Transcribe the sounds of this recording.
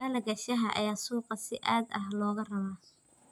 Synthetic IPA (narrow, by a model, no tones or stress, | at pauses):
ɐlɐɡɐʃɐɦɐʔɐ̰jaːsuːqɑsɪʔaːd̪ɐhlɔːɣɐrɐβaː